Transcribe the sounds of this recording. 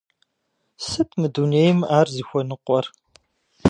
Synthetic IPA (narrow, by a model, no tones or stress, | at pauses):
sɨtʰmɨduneːjmaːrziːxʷɔnɨqʷɔr